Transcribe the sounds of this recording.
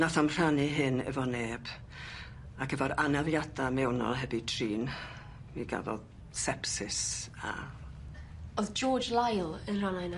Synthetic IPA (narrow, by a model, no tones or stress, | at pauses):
naθamr̥anɨɦɪnə̰vɔneːb̥ | aɡəvaɾanavjadamɛwnɔ̰lˠɦɛbitʰriːn | miɡa̰vɔ̰ð | sɛpsɪsa̰ | ɔðd͡ʒɔːd͡ʒlajlˠənranajna